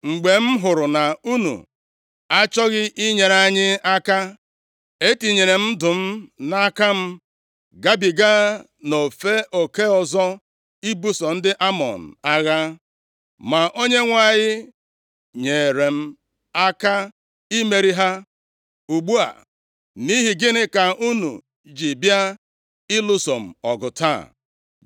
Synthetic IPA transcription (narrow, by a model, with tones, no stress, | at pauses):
ŋ͡m̩˨ɡ͡be˨m̩˦ɦʊ˨ɾʊ˨na˨u˦nṵ˨ | a˦t͡ʃɔ˦ɣɪ˦ʔi˦ɲe˨na˦ɲɪ˦a˦ka˦ | e˦ti˨ɲe˨ɾe˨m̩˦dʊ˨m̩˦na˦ka˦m̩˦ | ɡa˦bi˨ɡa˦ | no˨fe˦ʔo˨ke˦ɔ˨zɔ˦ | i˦bu˦sɔ˨n̩˦dɪ˦ʔa˦mɔ̰˨n̩˨a˦ɣa˦ | ma˨ʔo˦ɲe˦ŋʷa˨ɲɪ˦ | ɲe˨ɾe˨m̩˦ | a˦ka˦ | i˦me˨ɾi˦ɦa˦ | u˨ɡ͡bu˦a̰˨ | ni˦ɦi˨ɡɪ˦nɪ˦ka˨ʔu˦nṵ˨ | d͡ʒi˨bja˦ | ɪ˦lʊ˦so˨m̩˨ɔ˨ɡʊ˨ta̰˦˨